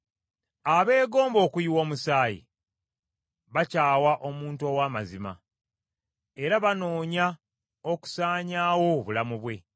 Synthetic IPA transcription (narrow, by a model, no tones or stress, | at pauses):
aβe̞ːɡo̞ːmbo̞ːkuiwo̞ːmusaːjḭ | βacaːwaʔo̞muːntuo̞ːwaːmazima̰ | eɾaβano̞ːɲa | oku̥saːɲaːwo̞βulamuβwe̞